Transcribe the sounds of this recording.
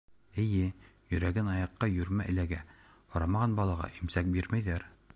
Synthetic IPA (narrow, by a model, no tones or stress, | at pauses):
ɘ̆jɘjɵ̆ɾæɡɘnɑjɑqːɑjɵ̆ɾmæʔɘ̆læɡæ | hŏɾɑmɑʁɑnbɑlˠɑʁɑ̰ʔimsæk̚biɾmæjðæɾ